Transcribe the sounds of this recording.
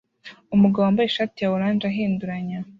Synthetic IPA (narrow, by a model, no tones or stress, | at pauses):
umuɡawoambajeʃatijawuɾaːnd͡ʒaɦiːnduɾaɲa